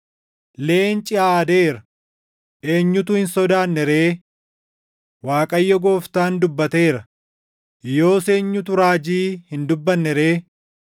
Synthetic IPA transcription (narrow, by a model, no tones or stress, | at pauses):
le̞ːnt͡ʃʼɪʔaːd̪eːɾɐ | ʔe̞ːɲːʊt̪ʊhɪnsɔd̪aːnːɛɾeː | waːkʼɐjːɔɡo̞ːft̪aːnd̪ʊbːɐt̪e̞ːɾɐ | jo̞ːse̞ːɲːʊt̪ʊɾaːd͡ʒiːhɪnd̪ʊbːɐnːɛɾe̞ː